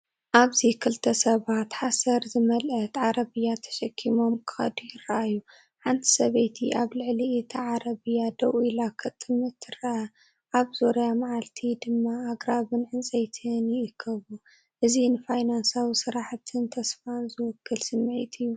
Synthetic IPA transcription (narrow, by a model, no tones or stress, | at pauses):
ʔaβzikʰɨlt̪ʰɐsɐβat̪ħasɐɾzɨmɐlʔɐt̪ʕaɾɐβɨjːat̪ʰɐ̥ʃɐkʰːimo̞mkʰɨ̥xɐ̰d̪ujɪɾɐʔajːu | ħant̪ʰi̥sɐβejt̪ʰḭʔaβlɨʕliʔit̪ʰaʕaɾɐβɨjːad̪ɐwilakʰɐt̪ʼɨmɨt̪ʰːɨɾɐʔa | ʔaβzoɾjamaʕalt̪ʰid̪ɨmːaːɡɾaβɨnʕɨnt͡sʼɐjt̪ʰɨnjɪɨkʰːɐβu | ʔɨzinɨfajnansawisɨɾaħt̪ʰɨnt̪ʰɐsfanzɨwɔkʰːɨlsɨmːʕit̪ʰɨjːu